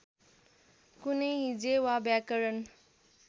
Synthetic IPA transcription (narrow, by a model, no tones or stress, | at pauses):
kuneɦid͡zewabjakəɾən